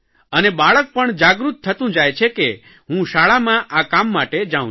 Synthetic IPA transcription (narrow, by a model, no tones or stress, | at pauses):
ənebaɭək̚pəɳd͡ʒaɡɾut̪ʰːət̪ũd͡ʒajt͡ʃʰeke | ɦũʃaɭamãʔakamːaʈed͡ʒaũ